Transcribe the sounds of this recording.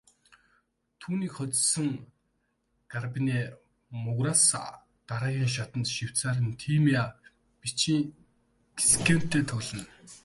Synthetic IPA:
t̪ʰuːniːkχɔt͡ssɵ̆ŋ | ɡ̥arpiniː | mʊɣras | t̪aɾaːɣʲiːŋʃ̬at̪ə̆nt̪ʃiw̥t͡saːɾə̆nt̪ʰiːmia | pit͡ɕiːŋ | ɡisken̥t̪ʰːeːt̪ʰɵɮɘ̆n

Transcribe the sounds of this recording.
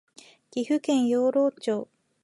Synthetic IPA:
ɡ̥ʲiɸɯ̟kẽ̞ɰ̃joːɾo̞ːt͡ɕoː

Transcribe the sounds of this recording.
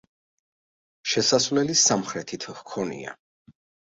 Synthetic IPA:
ʃɛsasvlɛlisamχɾɛt̪ʰit̪ʰhkʰɔnḭa̰

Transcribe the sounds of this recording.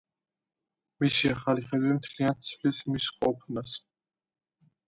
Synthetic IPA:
misiaχaliχɛd̪wɛmt̪ʰliant̪sʰvlismisqʼɔpʰnas

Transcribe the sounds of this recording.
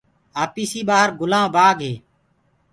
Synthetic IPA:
aːpiːsiːɓaːɦəɾɡʊlãːbaːɡɦeː

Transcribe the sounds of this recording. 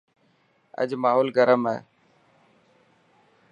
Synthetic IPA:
ə̰d͡ʒmaːɦoːlɡəɾəmɛː

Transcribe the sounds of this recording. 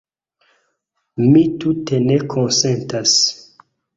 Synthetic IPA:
mit̪utenekʰonsentas

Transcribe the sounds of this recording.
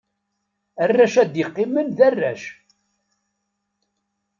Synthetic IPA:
ærːæʃæd̪jɪqːimənðærːæʃ

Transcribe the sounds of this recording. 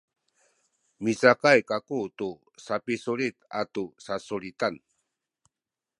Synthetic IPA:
mit͡sakajkakutu | sapisulit̪a̰tusasulit̪an

